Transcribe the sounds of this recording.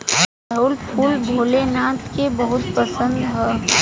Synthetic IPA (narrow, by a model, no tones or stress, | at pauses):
əʊlpʰulbʱoːlenãːt̪kebəɦʊt̪̚pəsə̃nd̪ɦɛ̃ː